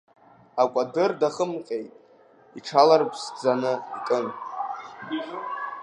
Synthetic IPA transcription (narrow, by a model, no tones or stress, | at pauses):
akʷʼadɨrdaχəmqʲʼejtʼ | iʈ͡ʂʰalarpʰsd͡zanɨikʼɨn